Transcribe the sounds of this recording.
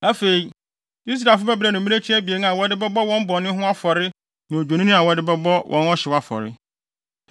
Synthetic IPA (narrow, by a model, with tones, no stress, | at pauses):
æ˦fe˨i˦ | i˦s̬ɾa˨fʊ˦bɛ˦bɾa˨nʊ̃˨mĩ˦e˦t͡ɕʰi˦æ˦bi˨e˨n˦a˨wɔ˦dɪ˦bɛ˦bɔ˦wɔ̃˦m˦bɔ˨nɪ̃˦ɦʊ̃˦a˦fɔ˨ɾɪ˦ | nʊ̃˨o˨d͡ʑᶣo˨nĩ˦nɪ̃˦a˨wɔ˨˦dɪ˦bɛ˦bɔ˦wʔɔ̃˦nɔ˦ɕɪ˨wa˦fɔ̰˨ɾɪ̰˦